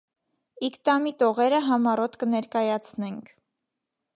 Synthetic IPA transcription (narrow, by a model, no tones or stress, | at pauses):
ikt̪ɑmit̪ɔʁɛɾəɦɑmɑrɔt̪kənɛɾkɑjɑt͡sʰnɛŋkʰ